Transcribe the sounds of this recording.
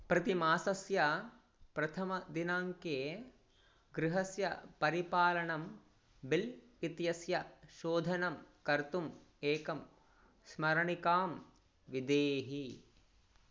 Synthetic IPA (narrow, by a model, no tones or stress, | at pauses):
pɾɐt̪imaːsɐsjɐ | pɾɐt̪ʰɐmɐd̪inaːŋkeː | ɡɾɪɦɐsjɐpɐɾipaːlɐɳɐm | bil | it̪jɐsjɐʃoːd̪ʱɐnɐmkɐɾt̪um | eːkɐm | smɐɾɐɳikaːm | ʋid̪eːɦi